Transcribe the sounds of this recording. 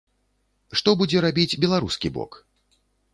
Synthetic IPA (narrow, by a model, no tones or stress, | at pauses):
ʂt̪ɔbud͡zʲɛɾabʲid͡zʲbʲɛlˠaɾuskʲibɔ̰k